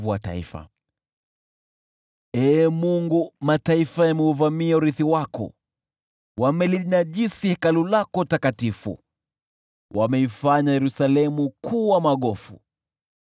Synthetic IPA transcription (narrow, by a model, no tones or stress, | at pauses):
vuwa̰ta̰ḭfa̰ | ɛːmuŋɡumataifajamɛuvamiauɾiθiwakɔ̰ | wamɛlinaʄisihɛkalulakɔtakatifṵ | wʔamɛifaɲajɛɾusalɛmukʰuwamaɠɔfṵ